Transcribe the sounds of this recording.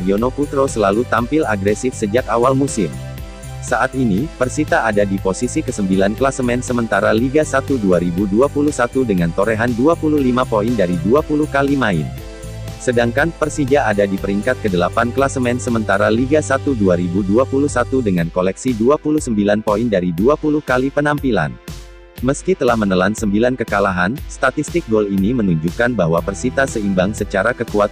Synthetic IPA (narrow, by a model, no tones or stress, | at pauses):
ionoput̪ɾosəlalut̪ampɪlaɡɾɛsɪfsəd͡ʒakawalmusɪm | saʔat̪̚inipərsit̪aːdadiposisikəsəmbilanklasəmɛnsəmənt̪aɾaliɡasat̪uduaɾibuduapuluhsat̪udəŋant̪oɾeɦanduapuluhlimapoindaɾiduapulukalimaɪ̰n | sədaŋkanpərsid͡ʒaːdadipəɾiŋkat̪̚kədəlapankəlasəmɛnsəmənt̪aɾaliɡasat̪uduaɾibuduapulusat̪udəŋankolɛksiduapuluhsəmbilanpoindaɾiduapuluhkalipənampila̰n | məskit̪əlahmənəlansəmbilankəkalaɦanst̪at̪ist̪ɪk̚bɔlinimənuɲd͡ʒukanbaɦwapərsit̪asəimbaŋsət͡ʃaɾakəkuat̪